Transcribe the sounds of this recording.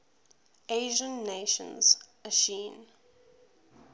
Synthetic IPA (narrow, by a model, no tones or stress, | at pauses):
ʔeɪʒə̃nːeʃə̰̃nz̥məʃĩːn